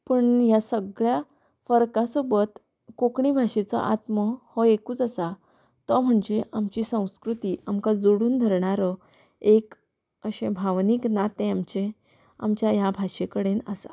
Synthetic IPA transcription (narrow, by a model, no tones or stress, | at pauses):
pəɳjasəɡɭja | fəɾkasobət̪ | kokɳibʱaʂet͡sɔ̰ʔat̪məhɔekuːt͡səsa | t̪ɔm̤əɳd͡zeʔamt͡ɕiːsə̃w̃skɾut̪iːʔamkad͡zoɽuːnd̪ʱəɾɳaɾə | ek | əɕẽbʱaʋniːknat̪ẽamt͡ɕe | a̰mt͡ɕjajabʱaʂekəɽenəsa̰